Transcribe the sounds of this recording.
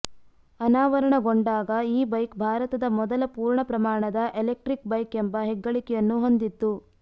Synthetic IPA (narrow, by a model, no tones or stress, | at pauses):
ɐnaːʋɐɾɐɳɐɡoɳɖaːɡɐiːbɐjkbʱaːɾɐt̪ɐd̪ɐmɔd̪ɐlɐpuːɾɳɐpɾɐmaːɳɐd̪ɐʔelek̚ʈɾik̚bɐjkembɐɦɛɡːɐɭikɛjɐnːuɦo̞nd̪it̪ːu